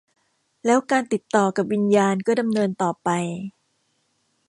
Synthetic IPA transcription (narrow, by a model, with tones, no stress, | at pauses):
lɛː˦˥wkaː˧nt̪i˨˩t̪ːɔː˨˩ka˨˩p̚wi˧njaː˧nkɔː˥˩da˧mnɤː˧nt̪ɔː˨˩pa˧j